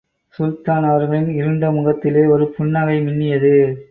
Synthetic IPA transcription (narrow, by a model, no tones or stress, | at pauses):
sʊlt̪aːnɐʋɐɾɣɐɭɪnɪɾɯɳɖɐmʊɣɐt̪ːɪleːɔɾɯpʊɳːɐɣɐɪmɪnːɪjɐðɯ